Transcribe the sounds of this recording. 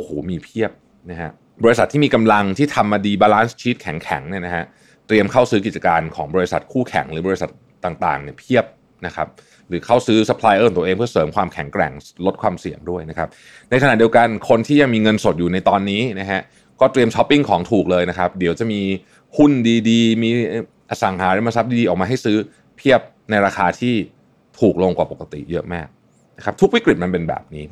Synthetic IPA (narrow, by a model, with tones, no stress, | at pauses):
ʔo˨˩hoː˩˦miː˧pʰi˥˩əp̚ | na˦˥kʰa˦˥ʔ | bɔː˧ɾi˧sa˨˩t̪ʰːiː˥˩miː˧ka˧mla˧ŋt̪ʰiː˥˩t̪ʰa˧mːaː˧diː˧baː˧laː˦˥nst͡ɕʰiː˦˥t̪̚kʰɛ˨˩˦ŋkʰɛ̰˩˦ŋni˥˩ɐna˦˥kʰa˦˥ʔ | t̪ɾi˧əmkʰa˥˩wsɯː˦k̬i˨˩t̪̚t͡ɕa˧kaː˧nkʰɔː˩˦ŋbɔː˧ɾi˧˥sa˨˩t̪̚kʰuː˥˩kʰɛ̰˩˦ŋɾɯː˩˦bɔː˧ɾi˧˥sa˨˩t̪̚ːaː˨˩ŋt̪a̰ː˨˩ŋni˥˩ɐpʰi˥˩əp̚ | na˦˥kʰa˦˥p̚ | ɾɯː˩˦kʰa˥˩wsɯː˦˥sa˧pʰlaː˧jʔɤː˧˩t̪u˧ʔeː˧ŋpʰɯ˥˩ɐsɤː˩˦mkʰwaː˧mkʰɛ˨˩˦ŋkɾɛ̰˨˩ŋlo˦˥t̪̚kʰwaː˧msi˨˩əŋdu˥˩əjna˦˥kʰa˦˥p̚ | na˧jkʰa˧na˨˩t̚di˧wka˧nkʰo˧nt̪ʰiː˥˩ja˧ŋmiː˧ŋɤ˧nso˨˩t̪̚juː˨˩na˧jt̪ɔː˧nːiː˦˥na˦˥ɦʰɛ˦˥ʔ | kɔː˥˩t̪ɾi˧əmt͡ɕʰɔ˦˥pːi˥˩ŋkʰɔː˩˦ŋt̪ʰuː˨˩k̚lɤː˧jna˦˥kʰa˦˥p̚di˩˦wt͡ɕa˨˩ʔmiː˧ | hu˥˩ndiː˧diː˧miː˧˥˩ | ʔaː˧˩sa˨˦ŋɦaː˩˦lɛ˦˥˦ma˧˩sa˦˥p̚diː˧diː˧ɔː˨˩k̚maː˧ɦa˥˩jsɯː˦˥ | pʰi˥˩əp̚ | na˧jɾaː˧xʰaː˧t̪ʰiː˥˩ | t̪ʰuː˨˩k̚lo˧ŋkwaː˨˩po˨˩ka˧t̪ḭ˨˩jɤ˦˥ʔmaː˥˩k̚ | na˦˥kʰa˦˥t̪ʰu˦˥kwi˦˥kɾi˨˩t̪̚ma˧npe˧nbɛ̰ː˨˩p̚niː˦˥